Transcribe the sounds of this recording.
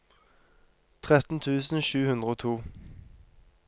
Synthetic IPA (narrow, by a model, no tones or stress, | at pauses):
t̪ʰʁɛt̪n̩t̪ʰʉːsn̩ʃʉːhʉnd̪ʁəoːt̪ʰuː